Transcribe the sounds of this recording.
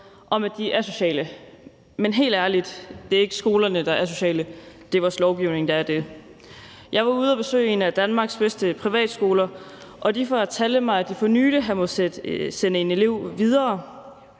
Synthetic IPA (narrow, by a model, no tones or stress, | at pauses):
ʔɒ̽mæd̥iʔæɐso̝ɕɛ̰ːlə | menɦe̝̰ːld̥æɐlid̥d̥e̝æɐe̝ɡ̥əsɡ̥o̝ːlɐnəd̥ɑ̈æɐs̬o̝ɕɛ̰ːləd̥e̝ʋɑslɒʊɡ̥iʊne̝ŋd̥ɑ̈æɐd̥e | jɑ̈ɪʋɑ̈uð̞̩ˠɐb̥e̝sø̰ːɪe̝næd̥ænmɑ̈ːɡ̥sb̥esd̥əpʰʁiʋɛ̰ːd̥sɡ̥o̝ːlɐʔɒ̽d̥ifɒæt͡sʰæləmɑ̈ɪæd̥ifɒny̰ːd̥əɦænmɔ̽senəene̝le̝ʊ̰ʋið̞ˠɐː